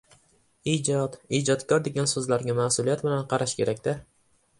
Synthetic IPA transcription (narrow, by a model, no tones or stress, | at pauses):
iːd͡ʒɒt̪iːd͡ʒɒt̪kʲʰɒɾd̪e̞ɡʲansɵzlaɾɡʲamasʊlijat̪bɪlanqʰɑɾaʃkʲʰe̞ɾakʲd̪ɪ